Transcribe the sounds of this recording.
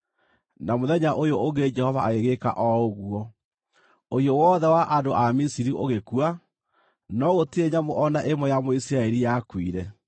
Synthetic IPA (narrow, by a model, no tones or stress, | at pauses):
namoðɛɲaʔojoʔoŋɡed͡ʒɛhɔvaːɣeɣeka̰ʔɔoɣuɔ | ojɔwɔðɛwaʔandoʔamisiɾiʔoɣekua | nɔɣotieɲamoʔɔnaʔemɔjamoisiɾaeɾijakwiɾɛ